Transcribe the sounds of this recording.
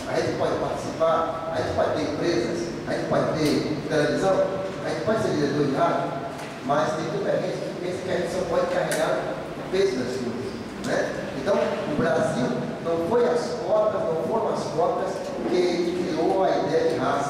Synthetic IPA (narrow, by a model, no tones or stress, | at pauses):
aʒẽt͡ʃɪ̥pɔd͡ʒɪpaɾt͡ʃi̥sipaɾaʒẽnt͡ʃɪ̥pɔd͡ʒt̪eɾẽmpɾezɐs | aʒẽt͡ʃɪ̥pɔd͡ʒɪt̪et̪elevizɐ̃w̃aʒẽnt͡ʃɪ̥pɔd͡ʒɪseiɾɐd̪od͡ʒiɦat̪ | mɐst̪ẽj̃t̪ũt̪ɐɦẽt͡ʃikfikẽsɐ̃kɪaʒẽt͡ʃɪsɐ̃w̃pɔd͡ʒɪĩkaɦiɡaɾ | umezud̪ɐskozɐs | nɛẽnt̪ɐ̃w̃ubɾaziwnɐ̃w̃foj̃ɐskɔt̪ɐznɐ̃w̃foɾj̃ɐskɔt̪ɐspoɾkelkɾioɐid̪ɛjɐd͡ʒiɦas